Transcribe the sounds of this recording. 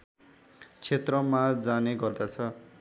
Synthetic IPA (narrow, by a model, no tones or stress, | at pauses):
t͡sʰet̪rʌmad͡zaneɡʌrd̪at͡sʰʌ